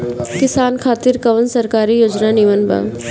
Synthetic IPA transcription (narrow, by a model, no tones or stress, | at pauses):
kɪsaːnkʰaːt̪ɪɾkɐʋənsɐɾkaːɾijoːd͡ʒnaniʋənba̰